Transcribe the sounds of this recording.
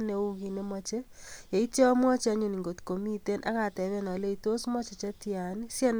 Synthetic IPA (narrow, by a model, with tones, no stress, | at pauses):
neu˦ɣi˨ne˦mat͡ʃe˦ | je˨i˦te˦ɔ˦mwɔ˦t͡ʃa˦ɲu˨ni˨ŋɡo˨ti̥ko˨mi˦te˦nʔa̰˦ka˨tɛ˨βe˦na˨le˦ito˦smɔ˦t͡ʃe˨t͡ʃa˦tja˨nisja˦n